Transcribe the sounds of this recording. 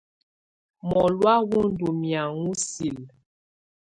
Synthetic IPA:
mɔ˨lwa˦wu˦n˨du˨mja˨ŋu˦si˨l

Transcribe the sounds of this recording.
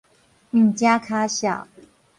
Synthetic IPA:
n̩˥˩t͡ɕja˦kʰa˦ɕjɑ̰˨˩

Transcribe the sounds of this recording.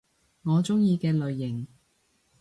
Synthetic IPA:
ŋɔː˨˧t͡sʊ˥ŋjiː˧kɛː˧lɵ˨ɥːɪ˨˩ŋ

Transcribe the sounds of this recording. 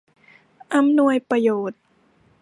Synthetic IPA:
ʔa˧mnu˧əjpɾa˧joː˨˩t̪̚

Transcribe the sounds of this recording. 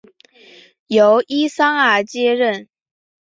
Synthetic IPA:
jo˧˥ʊʔi˥sɑ˥ŋə˨˥t͡ɕjɛ˥ɻə˥˩n

